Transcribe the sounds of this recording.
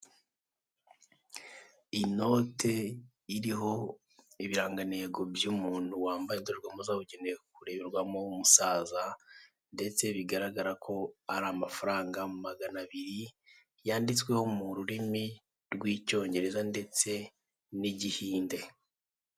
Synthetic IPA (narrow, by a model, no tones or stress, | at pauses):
ino̞ːtʰe̞ | iɾiɦo̞ | iβiɾaːŋɡane̞ːɡo̞bjumuːn̥huwaːmbajedoɾɡwamozaβuɟene̞kuɾe̞βeɾɡwamomusaːza | nde̞t͡se̞βiɡaɾaɡaɾakʰo̞aɾamafaɾaːŋɡamumaɡanaβiɾi | jaːndit͡swe̞ho̞muɾuɾimi | ɾɡwiːco̞ːɲɟe̞ɾe̞zande̞t͡se̞ | niɟihiːnde̞